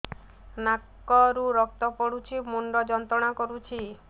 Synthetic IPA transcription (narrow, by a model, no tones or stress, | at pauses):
nakː | ɔɾuɾɔk̚t̪ɔpɔɽut͡ʃʰimuɳɖɔd͡ʒɔnt̪ɾɔɽ̃akɔɾut͡ʃʰi